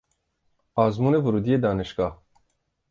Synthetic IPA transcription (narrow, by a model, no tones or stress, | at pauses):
aːzmuːnevuɾuːd̪ijed̪aːniʃkɑːh